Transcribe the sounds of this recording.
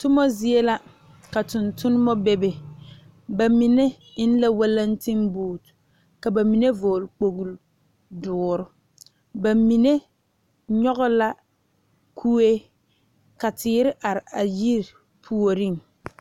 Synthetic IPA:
tʊ˦mɔ˦zi˦e˦la˦ | ka˨tʊ˨ntʊ˦nɪ˦mɔ˦be˦be˨ | ba˨mi˨ne˦ | ɪ˦n˦la˦wa˦la˦n˦tɪ˦mbuː˨t | ka˨ba˨mi˨ne˦voː˨lk͡po˨ɣu˨l | dʊː˨ɾʊ˦ | ba˨mi˨ne˦ | ɲɔ˦ɣɔ˦la˦ | kʰu˦e˦ | ka˨tʰɪː˨˦ɾɪ˦ʔa˨ɾɪ˨a˨ji˦ɾ | pʰu˦o˨ɾi˦˨ŋ

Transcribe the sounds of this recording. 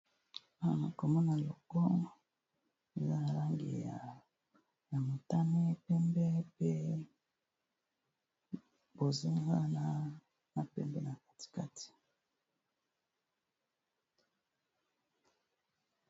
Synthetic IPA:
a˨a˨ko˨mɔ˦na˨lo˨kɔ˦ | e˨za˦a˨la˦ŋɡḭ˨a˨ | ja˨mo˨ta˦ne˦pɛ˦mbɛ˦pe˦ | bo˨zo˦ha˦na˦ | na˦pɛ˦mbɛ˦na˨kḁ˨ti̥˨ka˦tʰi̥˨

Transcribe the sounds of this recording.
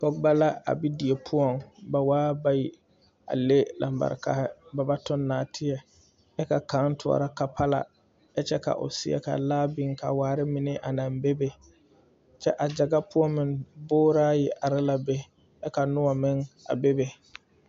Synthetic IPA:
pɔ˦ɡba˦la˦a̰˨bi˦di˨e˨pʰʊ˦ɔ˨ŋba˨waː˦ba˦ji˨ | a̰˨le˦la̰˨mba̰˨ɾka̰˦hɪ˦ba˨ba˦tʊ˦nːaː˨tʰɪ˦ɛ˨ | ɛ˦ka˨ka˨˦ntʰʊ˨ɔ̰˨ɾa˦ka˨pʰa˦la̰˨ | ɛ˦t͡ʃɛ˦ka̰˨ʔʊ̰˨sɪ̰˦ɛ̰˦ka̰˨laː˦bɪ˦ŋka̰˨waː˨˦ɾɪ˦mɪ˨nɪ˦ʔa˨nã˨mbe˦be˨ | t͡ʃɛ˦ʔa˨d͡ʒa˨ɡa˦pʊ˦ɔ˦mɪ˨ŋbʊː˦ɾaː˦jɪ˨ʔa˨ɾɪ˦la˨be˦ | ɛ˦ka˨nʊ˦a˨mɪ˦ŋa̰˨be˦be˨

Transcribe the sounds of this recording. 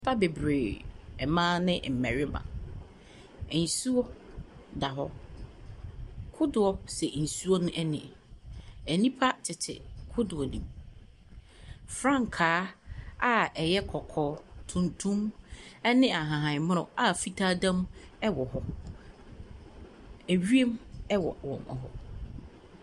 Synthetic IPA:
pa˦be˨bɾe˨ɛ˨mãː˦nɪ̃˦ʔm̩˨mɛ˨ɾɪ˦mã̰˨ | n̩˨su˦ɔ˦ | da˨ɦɔ˦ | kʰʊ˦dʊ˨ɔ˦sɛ˨n̩˨su˦ɔ˦nʊ̃˦ʔɛ˦nɪ̰̃˨ | ɛ˨nĩ˦pʰa˦tʰɪ˨tʰɪ̰˨kʰʊ˦dʊ˨ɔ˨nḭ̃˨m | fɾã˦˨ŋkʰaː˨˦a˦ɛ˨jɛ˦kʰɔ˨kʰɔː˨˦tʰũ˨ntʰũ˦mɛ˦nɪ̃˦a˨ɦã˨ɦã˨m̃˦ʊ̰̃˨a˨fi˦tʰaː˦dã˦mɛ˦wɔ˨hɔ˦ | æ˨ɥi˦e˦mɛ˦wɔ̰˨wɔ̰̃˨mɔ̰˨ɦɔ˨

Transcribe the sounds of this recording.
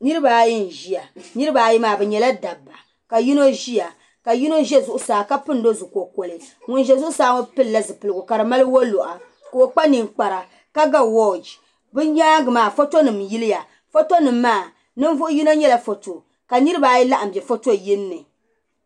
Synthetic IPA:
nɨ˦ɾɨ˦baː˨˦ji˦n˨ʒi˨ja˨nɨ˦ɾɨ˦ba˨ji˦maː˨bɛ˨ɲɛ˨la˦da˨bːa˨ | ka˨ji˦no˦ʒi˦ja˨ | ka˨ji˦no˦ʒɛ˦zʊ˨ʔʊ˦saː˨ka˦pɨ˦n˦do˦zu˨ko˨ko˨lɨ˨ | ŋʊ˨nʒɛ˦zʊ˦ʔʊ˦saː˦ŋo˦pɨ˦lla˦zɨ˨pɨ˨lɨ˨ɡʊ˨ka˨ɾɨ˨ma˦lɨ˦wo˦lo˨ʔa˨ | ko˨o˨k͡pa˦ni˨ŋk͡pa˨ɾa˨ | ka˦ɡa˦wo˦˨d͡ʒ | bɨ˦ɲaː˦ɡɨ˨maː˨fo˦to˦nɨ˨mji˦lɪ˦ja˨ | fo˦to˦nɨ˨mːaː˦˨ | nɨ˦ɱ˦vʊ˦ʔʊ˦ji˦no˦ɲɛ˦la˦fo˨to˨ | ka˨nɨ˦ɾɨ˦ba˨ji˦la˦ʔa˨m̩˨bjɛ˨fo˦to˦ji˦nːɨ˨

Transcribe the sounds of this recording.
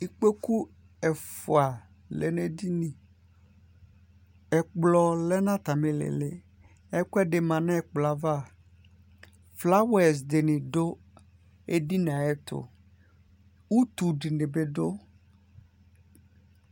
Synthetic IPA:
i˨k͡pe˦ku˦ | ɛ˨fo˨a˨ | lḛ˨ne˦d̪i˦nĩ˨ | ɛ˨k͡plɔ˨lɛ˦nã˦t̪a˨mẽ˨lḛ˨lḛ˨ | ɛ˦kɛ˦ɖe˨mã˨nɛ̃˦˨k͡plɔ˨a˨va˦˨ | fla˦wɛ˨s̬d̪e˨nĩ˨ɖo˦ | e˦ɖi˦n˨a˨ɛ˦t̪ʊ̰˨ | wu˦t̪u˨ɖi˨ne˨be˨ɖo˦

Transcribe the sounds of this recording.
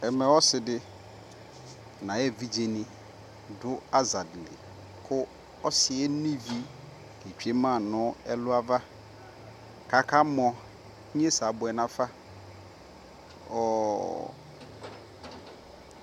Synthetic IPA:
ɛ˨mɛ̃˨ɔ˦sɪ˨dɪ˦ | nã˨ɛ˦˨vi˦d͡ʒe˨nɪ̃˦ | dʊ˦a˦za˨dlɪ˨ | kʰʊ˦ | ɔ˦sɪ˨ɛ˦nĩ˦vi˦ | e˨t͡ʃᶣe˦mã˦˨nʊ̃˦ɛ˦lʊ˦a˦va˦ | ka˨kʰa˦mɔ̃˨˦ | ɲ˦e˦sa˨bʊ˨ɛ˨nã˨fa˦ | ɔ˨

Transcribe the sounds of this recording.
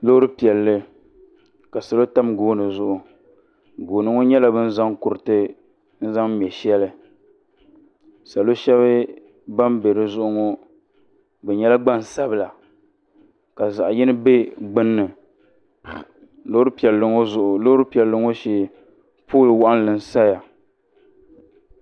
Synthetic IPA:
lo˦hʊ˦ɾɨ˦pi˨ɛ˨lːɨ˦ | ka˨sa˨lo˦ta˦mɡoː˦nɨ˨zʊ˦˨ʔʊ˨ | ɡoː˨nɨ˦ŋo˦ɲɛ˦la˨bɨ˦n̩˦za˦ŋkʊ˨ɾɨ˨tɨ˦ | n̩˦za˦ŋ˦m˨ɛ˨ʃɛ˦lɨ˨ | sa˨lo˦ʃɛ˦βɨ˦ | ba˦mbe˨ɾɨ˦zʊ˦ʔʊ˦ŋo˦ | bɛ˨ɲɛ˦la˦ɡ͡ba˦n˨sa˦bɨ˨la˨ | ka˨za̰˨ʔjɪ˦nɨ˦be˦ɡ͡bɨ˦nːɨ˨ | lo˦ɾɨ˦pi˨ɛ˨lːɨ˨ŋo˦zʊ˨ʔʊ˨lo˦ʊ˦ɾɨ˦pi˨ɛ˨lːɨ˦ŋo˦ʃɛ˦ | poː˦˨lɨ˨wa˦ʔa˦n˦lɨ˨n̩˨sa˦ja˨

